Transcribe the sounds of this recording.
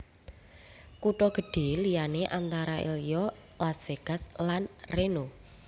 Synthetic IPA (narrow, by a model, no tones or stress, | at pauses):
kuʈɔɡ̥ə̤ɖ̥e̤lijaneʔant̪aɾaʔḛlijɔ | lasveɡ̥a̤slanreno